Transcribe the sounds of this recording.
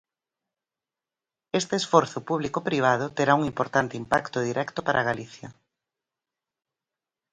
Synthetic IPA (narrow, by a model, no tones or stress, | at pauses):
est̪eesfɔɾθʊpuβ̞likopɾiβ̞að̞ʊt̪eɾauŋimpoɾt̪ant̪ɪimpakt̪ʊð̞iɾʔɛkt̪ʊpaɾʔaɣ̞aliθjɐ